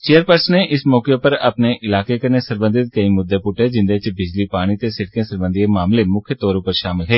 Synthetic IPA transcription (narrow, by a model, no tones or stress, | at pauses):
t͡ʃeːəɾpəɾsneʔɪsmɔːkepəɾɐ̰pneʔɪlaːkekəɾnesəɾbə̃nd̪ʱɪt̪̚kɐimʊd̪ːepʊʈɦɛd͡ʒɪ̃nd̪et͡ʃbɪd͡ʒlipaːɽ̃it̪esɪɽkẽsəɾbə̃nd̪ʱiemaːmlemʊkʰjət̪ɔːɾõpəɾʃaːmɪlɦɛː